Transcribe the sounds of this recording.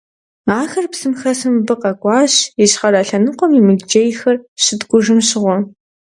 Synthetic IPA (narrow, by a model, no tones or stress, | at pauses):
aːxɐrpsɨmxɐsɨmbɨqɐkʷʼɑːɕjɪɕχɐɾɐɬɐnɨqʷɔmimɨd͡ʒejxɐrɕɪdɡʷʊʒɨmɕɪʁʷɔ